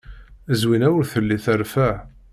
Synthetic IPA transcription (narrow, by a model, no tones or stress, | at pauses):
əzwinæwəɾθəlːiθæɾfæʕ